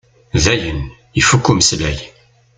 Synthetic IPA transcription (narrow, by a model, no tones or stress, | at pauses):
ðæjən | ifukːumslæj